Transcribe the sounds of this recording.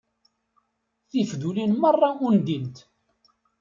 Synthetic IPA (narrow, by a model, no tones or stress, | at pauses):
θifðulinmərˤːɑʊnd̪int̪